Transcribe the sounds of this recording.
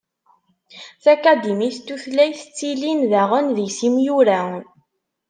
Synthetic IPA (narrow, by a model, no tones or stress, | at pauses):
θækæd̪imiθt̪ːuθlæjθt͡sːilinðæʁənðijsimjuɾæ